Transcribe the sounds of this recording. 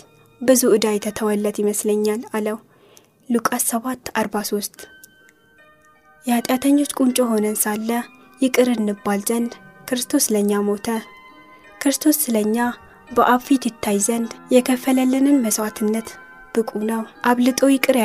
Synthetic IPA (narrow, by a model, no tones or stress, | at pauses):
bɨzuʔɨd̪ajt̪ʰət̪ʰəwəlːət̪jɪməsləɲːalaləw | lukʼassəβat̪ʰːaɾbaso̞st̪ʼ | jɛhat̪ʼjat̪ʰəɲːo̞t͡ʃːkʼunt͡ʃʼo̞ɦo̞nənsalːə | jɪkʼɨɾɨnːɨbːalzənd̪kɨɾɨst̪ʰo̞sləɲːamo̞t̪ʰə | kʰɨɾɨst̪ʰo̞sːɨləɲːa | bəʔaβfit̪jɪt̪ʰːajzənd̪jɛkʰəfːələlːɨnɨnməswat̪ʰɨnːət̪ | b̥ɨkʼunəwʔaβlɨt̪ʼo̞jɪkʼɨɾ